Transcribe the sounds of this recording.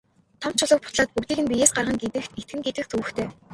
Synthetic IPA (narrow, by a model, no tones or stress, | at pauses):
t̪ʰɔm̥t͡ɕʰʊɮə̆k̚pʊ̥t̪ɮaːt̪̚pukt̪iːɣɘ̆npʲijeːsɢarʁə̆ŋɡet̪ɘ̆et̪̚ɡɘ̆ŋɡet̪ɘ̆kt͡sʰuːɵ̆xt̪ʰeː